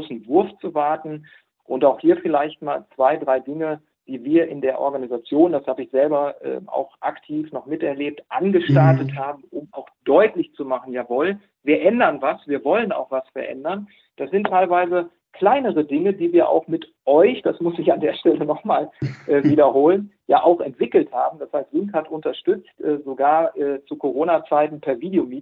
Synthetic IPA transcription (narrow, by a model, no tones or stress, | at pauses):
sn̩vʊɐft͡suvaɐtn̩ | ʔʊntaʊxhiːɐfɪlaɪçt̚ma̰ːlt͡sv̥aɪdʁaɪdɪŋə | d̥iːviːɐʔɪndeːɐʔɔ̰ɐɡanizat͡sjoːndashaːbəɪçz̥ɛlbɐʔɛ̰ːa̰ʊxʔa̰ktʰiːfnɔχmɪtɛɐleːp̚tʔanɡəʃtaɐtəthaːbm̩ʔʊma̰ʊxd̥ɔʏtlɪçt͡sumaχn̩jaːvɔl | viːɐʔɛndɐnvasv̥iːɐvɔləna̰ʊxv̥asfɛɐʔɛ̰ndɐn | d̥asz̥ɪntʰːaɪlvaɪzə | kʰl̥aɪnəʁədɪŋədiːviːɐʔa̰ʊxmɪtʔɔʏçd̥asmʊsɪçandeːɐʃtɛlənɔχmaːlʔɛːviːdɐhoːlənjaːʔaʊxɛntv̥ɪkl̩thaːbm̩dashaɪstv̥ɪŋkhatʔʊntɐʃtʏt͡stʔɛːzoɡaːɐʔɛːt͡sukʰoʁ̞oːnat͡saɪtn̩pʰɛːɐviːdejomiːt